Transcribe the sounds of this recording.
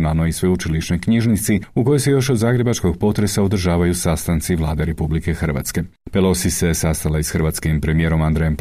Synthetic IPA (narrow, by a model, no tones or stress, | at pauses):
nalˠnoisʋeut͡ʃiliʃnojkɲiʒnit̪siuko̞jojse̞jo̞ʃod̪zaːɡɾe̞bat͡ʃko̞ɡpo̞t̪ɾe̞saod̪r̩ʒaːʋajusast̪ant̪siʋlˠa̰ːd̪e̞ɾe̞publike̞xrʋa̰t̪ske̞ | pelˠo̞sise̞sast̪alaisxrʋat̪skimpɾe̞mije̞ːɾo̞mand̪ɾejomp